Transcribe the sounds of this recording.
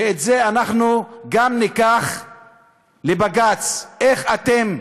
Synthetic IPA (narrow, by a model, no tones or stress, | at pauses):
eetzeanaχnuɡamnikaχ | lebaɡat͡seχat̪em